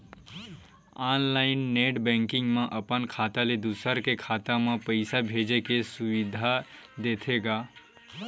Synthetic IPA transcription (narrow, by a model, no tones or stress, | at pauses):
aːnlaɪnːeʈbɛ̃ŋkɪ̃ŋɡmẽʔəpənkʰaːt̪aled̪usəɾkekʰaːt̪amẽpəɪsabʱed͡ʒekesuʋid̪ʱad̪eːt̪ʰeɡa